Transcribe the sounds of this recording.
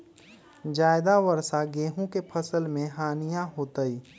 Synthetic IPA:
d͡ʒaːɪd̪aʋəɾsaɡeːɦũkepʰɐsəlmẽɦaːnijãɦoːt̪əiː

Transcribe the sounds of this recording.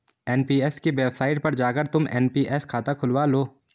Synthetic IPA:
ɛːnpiːɛskeʋɛːbsaːɪʈ̚pɐɾd͡ʒaːkəɾt̪ʊmɛːnpiːʔɛːskʰaːt̪akʰʊlʋaːloː

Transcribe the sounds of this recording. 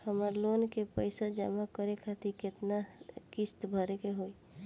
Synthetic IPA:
həmaɾloːnkepəɪsad͡ʒamakəɾekʰat̪ikɪt̪nakɪst̪bʱəɾekeɦoːi

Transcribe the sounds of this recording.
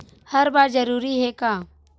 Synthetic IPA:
hɐɾbaːɾd͡ʒɐɾuːɾiɦɛkaː

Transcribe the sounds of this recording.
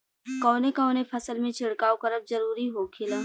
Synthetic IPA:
kɔːnekaːnepʰɐsəlmẽt͡ʃʰɪɽkaːokɐɾəb̚zɐɾuːɾiɦokʰɪlaː

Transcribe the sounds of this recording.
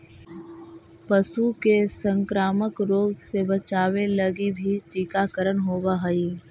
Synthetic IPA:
pɐsukesə̃ŋkɾaːməkɾoːɡsebɐt͡ʃaːʋelɐɡibʱitiːkaːkəɾənɦoːbaɦɐiː

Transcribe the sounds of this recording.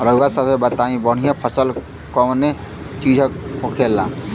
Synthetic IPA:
ɾəɡasəbʱebət̪aĩbəɽ̤ijãpʰəsəl | kɔne | t͡ʃid͡ʒʱək̚okʰelːã̰

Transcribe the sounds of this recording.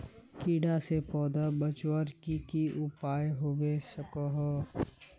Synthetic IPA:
kiːɖasepɔːd̪abət͡ʃwəɾkikiʔʊpaːjɦoːbesəkɔɦɔ

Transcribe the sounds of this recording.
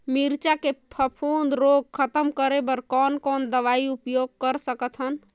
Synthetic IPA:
miɾt͡ʃakepʰəpʰund̪ɾoɡ̚kʰət̪əmkəɾebəɾkɔnkɔnd̪əʋaiupjoɡ̚kəɾsəkt̪ʰɦən

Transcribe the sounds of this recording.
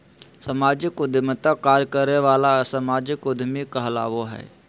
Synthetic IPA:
səmaːd͡ʒɪkʊd̪ʱmət̪akaːɾjkəɾneʋaːlasəmaːd͡ʒɪkʊd̪ʱmikəɦla̰ːʋoɦɛ̰ː

